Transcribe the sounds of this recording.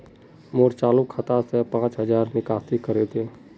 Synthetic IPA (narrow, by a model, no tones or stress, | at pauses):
moːɾt͡ʃaːlukʰat̪asepãːt͡ʃɦəd͡ʒaːɾnɪkaːsikəɾet̪ʰeː